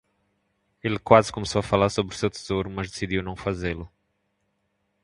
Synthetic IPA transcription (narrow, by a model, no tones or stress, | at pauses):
elkwazɪ̥komesowɐfalaɾsobɾu̥sewt̪e̥z̥oɾumɐzd̪esid̪iwnɐ̃w̃fazelʊ